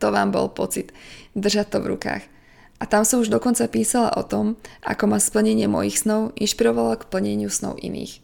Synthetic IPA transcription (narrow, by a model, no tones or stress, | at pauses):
t̪ɔʋaːmbɔ̰lpɔt͡sid̪d̪r̩ʒac̚t̪ɔʋɾṵka̰ːx | ʔat̪amsɔmuʒd̪ɔkɔnt͡sapiːsala̰ʔɔt̪ɔmʔa̰kɔmaspl̩ɲɛɲɪɛmɔ̰jixsnɔʊinʃpiɾɔʋalakpl̩ɲɛɲɪusnɔ̰ʊʔḭnḭːx